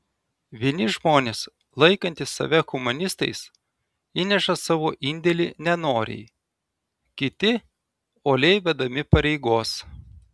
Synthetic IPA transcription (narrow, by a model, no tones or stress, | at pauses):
ʋʲiɛnʲɪʒmoːnʲeːs | lˠɐɪkɐnʲt̪ʲɪsːɐ̰ʋʲɛkʊmʊnʲɪst̪ɐ̰ɪs | iːnʲɛʃɐsɑːʋoːʔɪnʲd̪ʲɛlʲiːnʲɛnoːɾʲɛ̰ɪ | kʲɪt̪ʲɪ | oːlʲɛɪʋʲɛd̪ɐmʲɪpɐɾʲɛɪɡoːs